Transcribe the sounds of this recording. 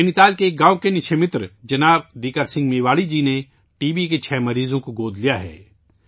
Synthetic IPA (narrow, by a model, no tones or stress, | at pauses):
enɪt̪aːlkeːk̚ɡãːwkenɪt͡ʃʰemɪt̪ɾd͡ʒɐnaːb̚d̪iːkəɾsɪ̃ŋɡmeːʋaːɽid͡ʒiːne | ʈiːbiket͡ʃʰɛːmɐɾiːzõkoɡoːd̪lijaɦɛ̰ː